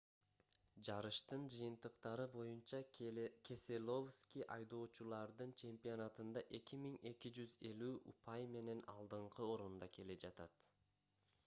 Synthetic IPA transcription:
d͡ʒɑɾɯʃt̪ɯnd͡ʒɯjɯnt̪ɯqt̪ɑɾɯbo̞junt͡ʃɑkʲʰe̞se̞lʲo̞fskʲijʔɑjd̪o̞ːt͡ʃulˠɑɾd̪ɯnt͡ʃʰe̞mpʲionɑt̪ɯnd̪ɑʔe̞kimiŋe̞kid͡ʒyze̞lyːʔupʰɑjme̞ne̞nɑ̰lˠd̪ɯɴqʰɯo̞ɾund̪ɑke̞le̞d͡ʒɑt̪ɑt̪

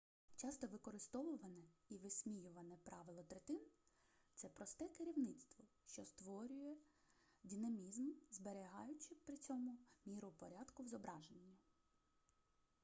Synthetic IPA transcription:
t͡ʃɑst̪ɔʋɪkɔɾɪst̪ɔʋʊʋɐnɛiʋɪsʲmʲijʊʋɐnɛpɾɑʋɪlˠɔt̪ɾet̪ɪn | t̪sɛpɾɔst̪ɛkeɾʲiwnɪt̪st̪ʋɔ | ʃt͡ʃɔst̪ʋɔɾʲʊjɛ | dʲinɐmʲizmzbeɾʲɪɦɑjʊt͡ʃɪpɾɪt͡sʲɔmʊmʲiɾʊpɔɾʲɑd̪kʊwzɔbɾɑʒenʲːɐ

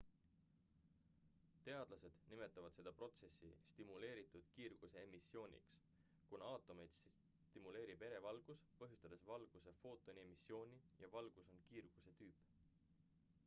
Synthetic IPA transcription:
t̪e̞ɑd̪̥lɑse̞d̪̥nime̞t̪ːˑɑvɑd̪̥se̞d̪̥ɑpro̞t̪se̞sːḭst̪imule̞ːɾit̪ːˑud̪̥kiːrɡ̥use̞emisːjo̞ːnʲḭks | kunɑɑːt̪ːˑome̞jd̪̥ | t̪imule̞ːɾibe̞ɾe̞vɑlɡ̥uspɤɦjust̪ɑd̪̥e̞svɑlɡ̥use̞fo̞ːt̪ːˑo̞nʲie̞misjo̞ːnʲijɑvɑlɡ̥uso̞nkiːrɡ̥use̞t̪yːp

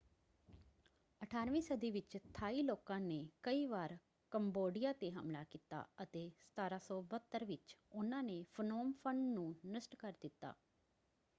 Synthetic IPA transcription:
əʈʰaːɾʋĩːsəd̪iːʋɪt͡ʃt̪ʰaːiːloːkãːneːkəiːʋaːɾ | kəmboːɖɪjaːt̪eːɦə̰mlaːkiːt̪a̰ːət̪eːsə̥t̪aːɾaːsɔːbət̪ːəɾʋɪt͡ʃʊnãːneːfʰənoːmpʰəɳɖnũːnəsʈkəɾd̪ɪt̪ːa̰ː

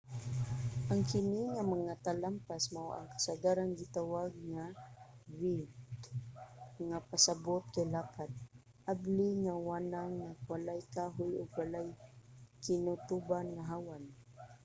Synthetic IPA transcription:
ʔaŋkɪniŋamaŋat̪alampasmawa̰ŋkḁsad̪aɾanɡɪt̪awaɡ̚ŋa | wɪd̪ | ŋapasabʊt̪̚kajlapad̪̚ | ʔablɪŋawanaŋnawalajkaɦʊjʊɡwalajkɪnʊt̪ubanŋaɦawan

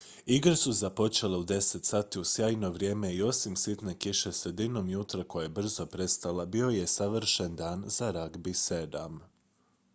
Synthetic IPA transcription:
iɡɾsuzapo̞t͡ʃe̞leud̪e̞se̞t̪saːt̪iusjaːjno̞ʋɾʲje̞ːme̞io̞simsit̪ne̞kiʃe̞sɾed̪ino̞mjut̪ɾako̞jaebr̩zo̞pɾe̞st̪alˠabio̞je̞saʋr̩ʃe̞nd̪aːnzaɾaɡbise̞d̪am

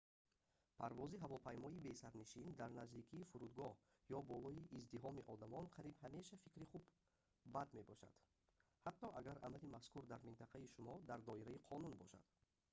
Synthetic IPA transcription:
pʰaɾvɔziɦavɔpʰajmɔibesaɾniʃind̪aɾnazd̪ikʰiːfuɾud̪ɡɔh | jɔbɔlɔiʔːzd̪iɦɔmiʔɔd̪amɔnqʰaɾibhame̞ʃafikɾiχubː | ad̪me̞bɔʃa̰d̪̥ | hat̪ːɔʔaɡaɾa̰malimaskuɾd̪aɾmint̪ʰaqʰaiʃumɔd̪aɾd̪ɔiɾaiqʰɔnunbɔʃa̰d̪̥

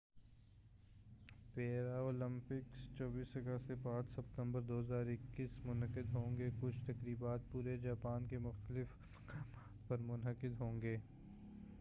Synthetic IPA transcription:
peːɾaoːlə̃mpɪkst͡ʃɔːbiːsɦɐɡasepãːt͡ʃsɐp̚t̪ə̃mbəɾd̪oːɦəzaːɾɪkːiːsmʊnəqɪd̪ɦõːŋɡekʊt͡ʃʰt̪ɐkɾiːbaːt̪̚puːɾed͡ʒaːpaːnkemʊxt̪əlɪf | kaːmaːt̪pɐɾmʊnɦəqɪd̪ɦõːŋɡeː

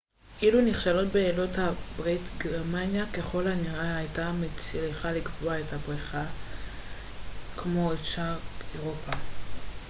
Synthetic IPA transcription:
ʔiluniχʃalo̞tbeːlo̞thabʁitɡeʁmanjake̞χo̞lhaniʁaajtamet͡sileχalikvoaethabʁiχa | kmo̞etʃaeʁopa

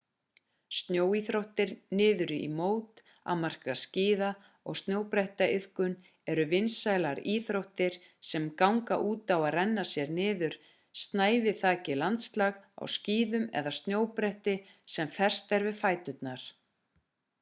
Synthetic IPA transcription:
st̪njoːwiθɾowht̪ɪɾnɪːðʏɾḭmoːwt̪ | a̰mar̥kasciːða | ɔ̰ɣst̪njoːwpɾɛht̪aʔɪðkʏn | ɛɾʏvɪnsajlaɾiːθɾowht̪ɪɾ̥ | sɛmkawŋka̰ʔuːt̪awaðrɛnːasjɛɾnɪːðʏɾ̥ | st̪naːjvɪθaːcɪlant̪st̪laɣa̰wsciːðʏmɛ̰ðast̪njoːwpɾɛht̪ɪ | sɛmfɛr̥st̪ɛɾvɪðfaːjt̪ʏt̪naɾ̥

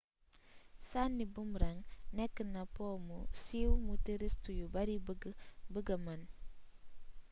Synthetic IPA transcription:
sanːibumɾaŋnɛkːənapɔːmusiwmutiɾistujubaɾibɡbəɡɐman

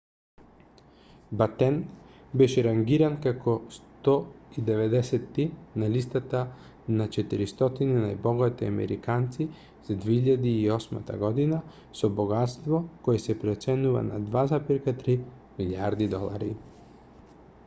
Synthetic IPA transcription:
bat̪ɛnbɛʃɛɾaŋɡiɾankakɔst̪ɔid̪ɛvɛd̪ɛsɛt̪ːinalist̪at̪a | nat͡ʃɛt̪iɾist̪ɔt̪ininajbɔɡat̪iamɛ̰ɾḭkant̪si | z̥ad̪vɛiʎad̪iːɔsma̰t̪a̰ɡɔd̪ina | sɔbɔɡat̪st̪vɔkɔɛsɛpɾɛt̪sɛnuva̰na̰d̪vazapiɾkat̪ɾi | miliaɾd̪id̪ɔlˠa̰ɾi

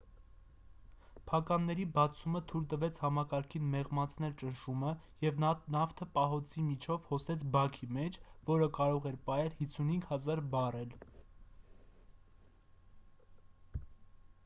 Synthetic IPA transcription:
pʰɑkɑnːɛɾibɑt͡sʰumət̪ʰult̪əvɛt͡sʰhɑmɑkɑɾkʰinmɛʁmɑt͡sʰn̪ɛlt͡ʃənʃumə | jɛvnɑft̪ʰəpɑɦɔt͡sʰimit͡ʃʰɔvhɔsɛt͡sʰbɑkʰimɛt͡ʃʰvɔɾəkɑɾɔʁɛɾpɑɛlhit͡sʰːunhiŋɡhɑzɑɾbɑrɛl

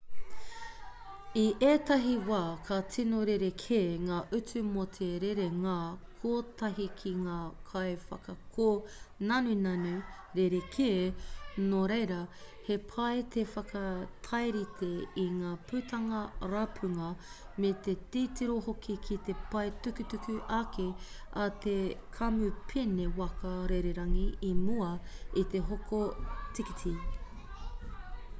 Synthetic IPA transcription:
iʔeːt̪ɐɦiwaːkʰɐt͡sinoɾeɾekʰeːŋaːʔʉt͡sʉmot̪ʰeɾeɾeŋakʰoːt̪ɐɦikʰiŋaːkʰɐjfɐ̰kɐkʰoːnɐnunɐnʉ | ɾeɾekʰeːnoɾejɾɐhe̞pʰɐet̪ʰefɐkʰɐt̪ʰɐjɾit̪ʰeiŋaːpʰʉːt̪ɐŋɐɾapʰʉŋɐmet̪et̪iːtiɾohokʰikʰit̪e̞pɐetʉkʉt̪ʉkʉʔake | ɐt̪ekʰɐmʉpʰenewɐkɐɾeɾeɾɐŋiimuɐit̪e̞ɦokʰotikitʰi

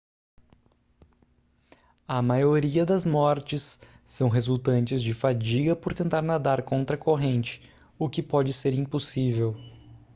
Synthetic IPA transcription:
ɐmajoɾiɐd̪ɐzmɔɾt͡ʃɪsː | ɐ̃w̃ɦezuwt̪ɐ̃nt͡ʃɪzd͡ʒɪfad͡ʒiɡɐpoɾt̪ẽnt̪aɾnad̪aɾkõnt̪ɾɐkoɦẽnt͡ʃɪ̥ | ʊkɪpɔd͡ʒɪseɾĩpusivew

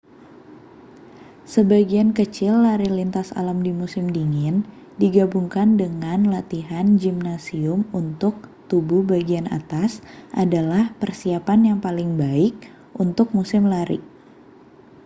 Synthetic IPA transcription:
səbaɡiankət͡ʃɪlːaɾilint̪asa̰lamdimusɪmdiŋɪn | diɡabuŋkandəŋanlat̪iɦand͡ʒimnasiʊmunt̪ʊk̚t̪ubuhbaɡiana̰t̪asʔadalahpərsiapanjaŋpalɪŋbaɪk̚ | ʔunt̪ʊk̚musɪmlaɾḭ

